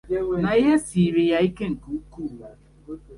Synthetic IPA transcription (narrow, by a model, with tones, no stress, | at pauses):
na˨i˦ɦe˦si˨ɾe˨ja˦i˦ke˦ŋ̩˨ku˨˦ku˦˨